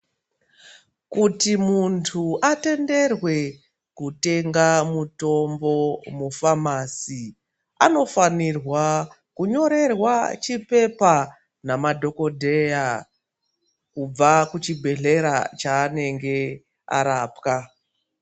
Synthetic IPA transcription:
kutimuntʰuate̞nde̞rwe̞ | kute̞ŋɡamuto̞mbo̞mufamasi | a̰no̞fanirwa | kuɲo̞ɾe̞rwat͡ʃipe̞pa | namadʱo̞ko̞dʱe̞ja | kub͡vakut͡ʃibʱe̞ɮe̞ɾat͡ʃaːne̞ŋɡe̞ | a̰ɾaːpka

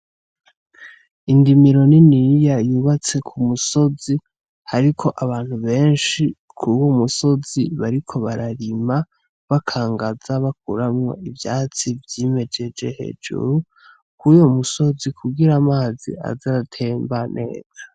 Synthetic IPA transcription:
indimiɾo̞ninijajuːβat͡se̞kʰumuso̞zi | haɾikʰo̞ʔaβaːn̥huβe̞ːnʃi | kʰuwomuso̞ziβaɾikʰo̞βaɾaɾima | βakʰaːŋɡazaβak̚uɾamŋo̞̰ivjaːt͡sivjime̞d͡ʒe̞d͡ʒehe̞̰ːd͡ʒṵɾu | kʰujo̞muso̞zikʰuɡiɾamaːzḭa̰zaɾatʰe̞ːmbanʔe̞̰ːz̥ḁ

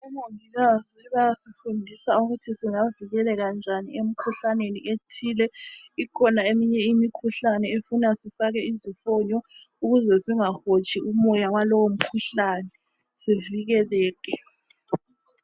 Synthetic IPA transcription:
ɛmoviɣaziβajasifundʱisauɣutʰisiŋaviɣɛlɛɣand͡ʒʱanḭem̩kʰuɬanenḭʔetʰiːlɛikʰɔnaemiɲɛimikʰuɬanɛefunasifaɣɛizifɔɲɔ | uɣuzɛsiŋaxot͡ʃʰʼiumɔjawalowom̩kʰuɬaːnɛ | siviɣɛlɛːkɛ

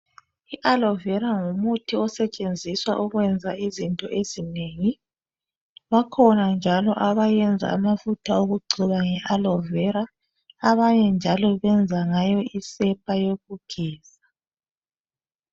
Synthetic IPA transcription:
iʔalɔvɛɾaŋumutʰiɔsɛt͡ʃʼend͡zʱiswaʔuɣwɛnd͡zʱaizintʼɔʔezineŋi | βakʰɔnand͡ʒʱalɔʔaβajɛnd͡zʱa̰amafutʰauɣuɡ͡ǀʱiβaŋɛʔalɔvɛɾaː | βaɲɛnd͡ʒʱalɔβɛnd͡zʱaŋajɔisɛpʼajoɣuɡ̥ʱɛːz̥a

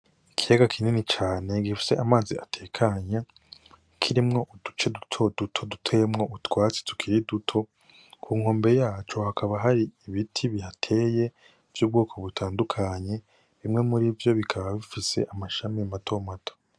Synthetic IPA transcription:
ikʰijaɡakʰininit͡ʃaːne̞ɡifi̥se̞ʔamaːziatʰe̞kʰaɲa | kʰiɾimŋo̞ʔud̥ut͡ʃe̞dutʰo̞dutʰo̞dutʰe̞mŋoʔutwaːt͡se̥tu̥kʰiɾidutʰo̞ | kʰuːŋ̥o̞ːmbejaːt͡ʃo̞hakʰaβaɦaɾiːβitʰiβihatʰe̞ːje̞ | v̥juːb̚ɡoːkʰo̞βutʰaːndukʰaɲe̞ | βimŋe̞muɾivjo̞βikʰaβaβifise̞̰ʔamaʃamimatʰo̞mato̥

